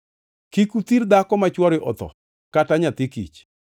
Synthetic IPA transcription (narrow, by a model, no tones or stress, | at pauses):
kikut̪iɾd̪akɔmat͡ʃwɔɾɪʔɔ̰t̪ɔ̰ | kataɲat̪ikḭt͡ʃ